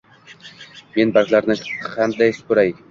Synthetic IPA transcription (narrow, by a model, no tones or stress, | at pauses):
me̞nbaɾkʲlaɾnɪqʰand̪ajspʊɾaj